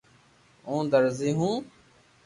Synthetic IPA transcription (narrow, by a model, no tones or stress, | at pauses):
õːd̪əɾziːɦũː